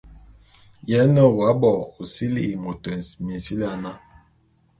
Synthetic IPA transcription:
jɛ˨˦nə˦˨wa˨˦bɔ˨o˨si˦li˦i˨mo˨tɛ˨nsmi˨si˦li˦a˨na˦

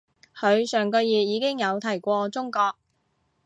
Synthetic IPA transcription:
kʰɵ˨˧ɥsœː˨ŋkɔː˧jiː˨˩jiː˨˧kɪ˥ŋjɐ˨˧wt̪ʰɐ˨˩jkʷɔː˧t͡sʊ˥ŋkɔː˧k̚

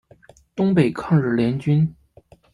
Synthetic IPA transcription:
t̪ʊ˥ŋpe˨˩ɪkʰɑ˥˧ŋɻɻ̩˥˩ljɛ˧˥nt͡ɕy˥n

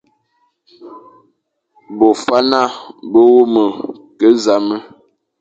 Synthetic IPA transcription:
bo˨fa˦na˦˨bə˦wo˦mə˨ | kə˦za˨mə˦

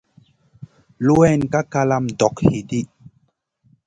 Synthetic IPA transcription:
lu˦wɛ˦˨nka˦ka˦la˦mdɔ˨khi˨di˦

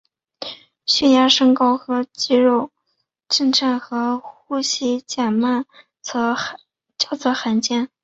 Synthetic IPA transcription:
ɕɛ˥˩ja˥ʂɤ˥ŋkɑ˥ʊxɤ˧˥t͡ɕi˥˧ɻo˥˧ʊ | ʈ͡ʂə˥˧nʈ͡ʂʰa˥˩nxɤ˧˥xu˥ɕi˥˩t͡ɕja˨˩nma˥˩n | t͡sʰɤ˧˥ | t͡ɕjɑ˥˩ʊt͡sʰɤ˧˥xa˧˥nt͡ɕjɛ˥˩n

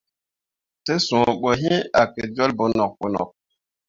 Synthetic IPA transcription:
te˦sũ˨ɓo˨ɦĩ˦a˨ke˨d͡ʒo˦lbo˨nɔ˨k̚ɓo˨nɔ̰˨k̚

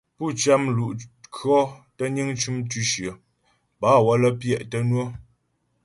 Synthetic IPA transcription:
pu˦˨t͡ʃa˦mlu˨ʔkʰɰɔ˦tə˦ɲi˦ŋt͡ʃu˦mtʉ˦ʃə˨ | baː˨˦wɔ˦lə˦pjɛ˦˨ʔtə˦nwə˦

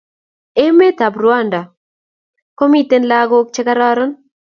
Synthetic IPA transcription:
e˦me˦ta˨bɾwa˦˨nda˨ | ko˦mi˦te˦nla˦ɡo˦k̚t͡ʃɛ˦ka˦ɾɔ˦ɾɔ˦n

